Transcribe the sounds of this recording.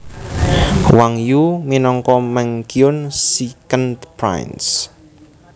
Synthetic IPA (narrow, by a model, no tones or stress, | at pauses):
waŋjuminɔŋkɔmɛŋkiʊnsikənd̪pɾa̰jns